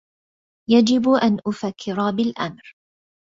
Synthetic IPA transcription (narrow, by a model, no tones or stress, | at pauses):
jad͡ʒɪbʔanʔʊfakʰːɪɾɑbɪlʔamɾ